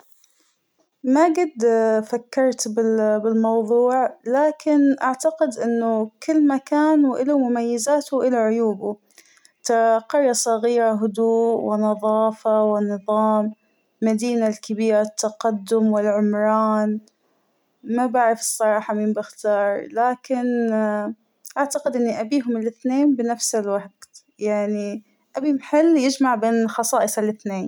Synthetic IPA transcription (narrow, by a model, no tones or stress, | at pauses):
maɡɪd̪fakːɑɾˤt̪bɪbɪlmɑwðˤuːʕlaːkɪnʔaʕt̪aqɪd̪ʔɪnːʊkɪlːmakaːnwʔɪlamʊmajːɪzaːt̪wʔɪlaʕʊjuːbʊ | t̪aqɑɾˤːɑsˤɑɣiːɾɑɦʊd̪uːʔwɪnɑðˤɑːfawɪnːɨðˤɑːmː | ad̪iːnalkabiːɾat̪ʰːaqad̪ːʊmwɪlʕʊmɾˤɑːn | mabaʕɾɪfɨ̥sˤːɑɾˤɑːħɑmimbɪxt̪ɑːɾˤlaːkɪn | ʔaʕt̪aqɪd̪ʔɪnːiʔabiːɦʊmɪlʔɪθneːnbɪnafsɪlwaħd̪ | jaʕni | ʔabimħɪlːjɪd͡ʒmaʕbeːnɪxɑsˤɑːʔɨsˤalʔɪθneːn